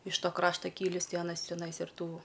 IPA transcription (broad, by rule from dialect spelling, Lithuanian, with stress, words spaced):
ɪʃ ˈtoː ˈkrɑːʃtɐ ˈkʲiːlʲiːs ˈtɐɪ ɐˈnɐs tʲɛˈnɐɪs ɪr ˈtuː